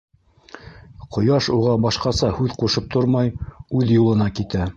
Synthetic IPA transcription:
qʰŏjɑʃuʁɑbɑʃqɑsɑhʉðquʃɤp̚t̪ʰoɾmɑjʉðjulˠɤ̆nɑkit̪æ

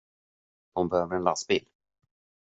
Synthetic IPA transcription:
hʊnbɛhøːvəɾɛnlasbiːl

